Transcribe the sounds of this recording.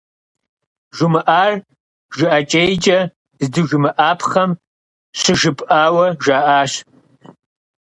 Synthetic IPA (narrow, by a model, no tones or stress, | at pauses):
ʒʷʊmɨʔaːr | ʒɨʔɐt͡ʃʼejt͡ʃʼɐ | zdɨʒʊmɨʔaːpʰχɐm | ɕɨʒɨpʼʔaːwɐʒaːʔaːɕ